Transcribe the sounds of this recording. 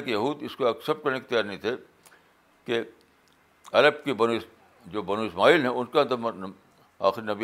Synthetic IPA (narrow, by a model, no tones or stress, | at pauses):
kejɐɦuːd̪ɪskoɐksɐb̚kɐɾneɪkt̪jaːɾnɐɦĩt̪ʰe | ke | ɐɾəb̚kebɐnuɪs | d͡ʒoːbɐnoːɪsmaːiːlɦɛ̃ʊnkẽnd̪əm | a̰ːxɪɾinɐbi